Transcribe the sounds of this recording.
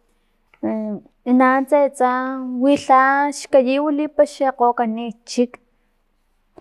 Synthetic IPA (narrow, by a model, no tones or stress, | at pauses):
inant͡set͡sawiɬaʃkajiwilipaʃeqoːkanit͡ʃik